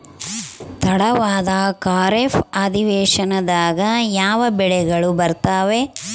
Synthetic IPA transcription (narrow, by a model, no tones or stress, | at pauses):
t̪ɐɽɐʋaːd̪ɐkaːɾefaːd̪iʋɛːʂɐnɐd̪aːɡɐjaːʋɐbɛɭɛɡɐɭubɐɾt̪aːʋe